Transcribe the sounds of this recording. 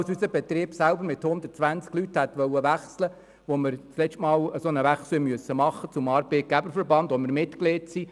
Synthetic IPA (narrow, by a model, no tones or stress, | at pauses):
wsysəb̥ɛt̪riːb̥sælbəɾmɪt̪hʊnd̪ət̚t͡sʋænt͡sklyt̪hæt̪ʋœʊəʋæχslə | ʋomɪɾt͡slɛt͡ʃʃtmɑːləsonəʋæχsləmyəsːəmɑχːət͡sʊmɑːɾb̥eɪt̪̚ɡ̥æbəɾfəɾbɑnd̪omɪɾmɪt̪kletsi